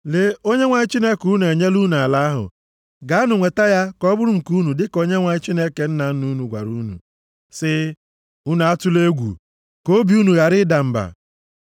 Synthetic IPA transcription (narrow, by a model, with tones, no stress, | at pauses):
le˦o˦ɲe˦ŋʷa˨ɲɪ˦t͡ʃi˦ne˦ku˨˦n˨e˨ɲe˦lu˦nu˨a˨la˦ɦʊ̰˨ | ɡa˨˦a˦nʊ˨ŋʷe˨ta˦ja˦kɔ˦bʊ˦ɾʊ˦˨ŋ̩˨ku˦nu˨dɪ˦ko˦ɲe˦ŋʷa˨ɲɪ˦t͡ʃi˦ne˦ke˨n̩˦na˨n̩˦nu˦nu˨ɡʷa̰˨ɾu˦nṵ˨ | sɪ˦ | u˦na˨a˦tʊ˦le˦ɡʷṵ˨ | ko˦bi˨˦u˦nu˨ɣa˨ɾɪ˦da˨m̩˨ba̰˨